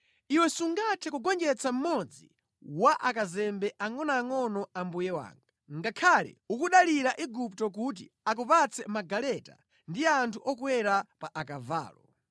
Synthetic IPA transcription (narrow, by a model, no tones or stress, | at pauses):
iwɛsuŋɡatʰɛkuɡɔnd͡ʒɛt͡sʰam̩mɔd͡zi | waʔakazɛmbɛʔaŋɔnaːŋɔnɔambujɛwa̰ːŋɡaŋɡakʰalɛ̰ukuɗaliɾaʔiɡuptɔk̬ut̬ḭak̬upat͡sʰɛmaɡalɛta̰ | ndiantʰuʔɔkwɛɾapaʔakava̰ːlɔ